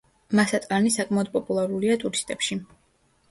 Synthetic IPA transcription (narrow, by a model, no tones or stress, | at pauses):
masat̪ʼanisakʼmaɔd̪̥̚pʼɔpʼulˠaɾuliat̪ʼuɾist̪ʼɛpʃi